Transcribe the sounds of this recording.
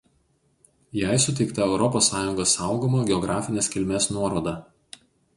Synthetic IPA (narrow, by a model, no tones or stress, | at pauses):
jæˑɪsʊt̪ʲɛɪkt̪ɐɛʊɾɔpoːsːɑːjʊŋɡoːsɑˑʊɡomoːɡʲɛɔɡɾɑːfʲɪnʲeːskʲɪlʲmʲeːsnuɔɾoːd̪ɑ